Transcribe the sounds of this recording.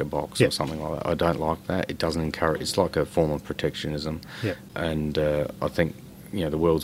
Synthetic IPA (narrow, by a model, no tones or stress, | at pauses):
əbɑ̰ksə˞sʌ̃mθɪ̃ŋlaɪk̚ðæ̰ɾʔa̰ɪdə̃ʊ̃nʔlaɪk̚ðæ̰tɨt̚d̥ʌzn̩tɨ̃nkʰɛɹɨɨtslaɪkɨfɔɹmʌv̥pʰɹ̥ɨtʰɛkʃɨnɪzə̃m | ʔɨ̃nʌaɪθɪ̃ŋk | jɨnoʊðəwɜ˞lˠdz